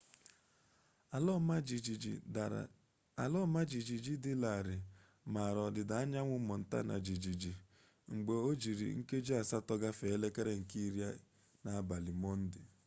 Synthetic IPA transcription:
lɔ˦ma˦d͡ʒi˨d͡ʒi˨d͡ʒi˦dɪ˦la˨ɾɪ˨ | ma˨ɾɔ˨dɪ˨da˨a˦ɲa˦ŋʷʊ˦mɔ˨n̩˨ta̰˦na̰˨d͡ʒi˨d͡ʒi˨d͡ʒi˨ | ŋ͡m̩˨ɡ͡be˨o˦d͡ʒi˨ɾḭ˨ŋ̩˦ke˦d͡ʒi˦a˨sa˦tɔ˦ɡa˦fe˨˦le˦ke˦ɾe˦ŋ̩˨ki˦ɾja̰˦ | na˨a˦˨ba˨lɪ˨mɔ˦n̩˦dɪ̰˨

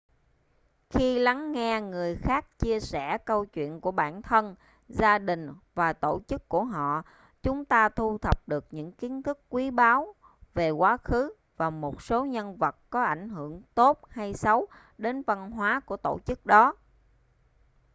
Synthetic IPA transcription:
xi˧la˨˦ŋːɛ˧ŋɨ˨˩əjxaː˦˥k̚t͡ɕi˧əsɛ˧˩kə˧wt͡ɕwḭ˧˨ənku˧˩əɓaː˧˩nt̪ʰə˧n | zaː˧ɗï˨˩ŋ̟vaː˨˩t̪o˧˩t͡ɕɨ˦˥kːu˧˩əɦɔ̰˧˨ | t͡ɕʊ˨˦ŋ͡mt̪aː˧t̪ʰu˧t̪ʰə˨˩p̚ɗɨ˨˩ək̚ɲɨ̰˧˥ŋki˨˦nt̪ʰɨ˦˥kːwi˨˦ɓaː˨˦w | ve˨˩kwaː˨˦xɨ˨˦ | vaː˨˩mo˨˩t̚so˨˦ɲə˧nvə˨˩t̚kɔ˨˦ʔa˧˩jŋ̟ɦɨ˧˩˨əŋt̪o˦˥t̚ha˧jsə˨˦w | ɗe˨˦nvə˧nɦwaː˨˦ku˧˩ət̪o̰˧˩t͡ɕɨ˦˥k̚ɗɔ˨˦

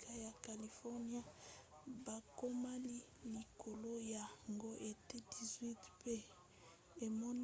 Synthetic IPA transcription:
kʰa˦ja˨ka˨li˨fɔ˦ni˦a˦ | ba˨ko˦ma˦li˦ | li˨ko˨lo˦ja˨ŋɡo˦ʔe˨te˦di˨zwi˦tpe˦ | e˨mɔ˦n

